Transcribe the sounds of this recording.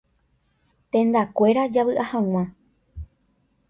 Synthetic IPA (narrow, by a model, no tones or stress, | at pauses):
t̪ẽ̞nd̪akʷe̞ɾad͡ʒaβɨʔahãw̃ã